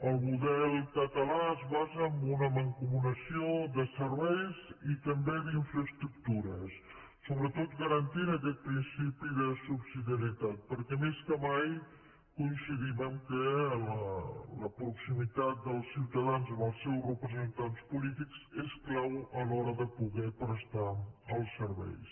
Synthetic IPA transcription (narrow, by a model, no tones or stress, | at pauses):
əlˠmuðɛlˠkət̪əlaəzβazəːmbunəməŋkumunəsiod̪əsəɾβɛjzit̪əmbeðiɱfɾəst̪ɾuk̚t̪uɾəsː | oβɾət̪ot̪ɡəɾənt̪inəkɛt̪̚pɾinsipiðəsubsiðiəɾiət̪at̪̚pəɾkɛmeskəmaj | kunsiðiβəmkələləpɾuksimit̪at̪̚d̪əlˠsiwt̪əðanzəməlˠsɛwrəpɾəzənt̪anspulit̪ikzesklawəlɔɾəðəpuɣɛpɾəst̪aəlˠsəɾβɛ̰js